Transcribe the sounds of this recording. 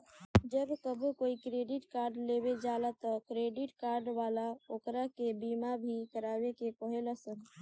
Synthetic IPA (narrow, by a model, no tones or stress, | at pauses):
d͡ʒəbkəbʱkoːikɾeːɖɪʈkaːɾɖleːbed͡ʒaːlat̪ɔkɾeːɖɪʈkaːɾɖʋaːlaoːkɾakebiːmabʱikəɾaːwekekəɦeləsən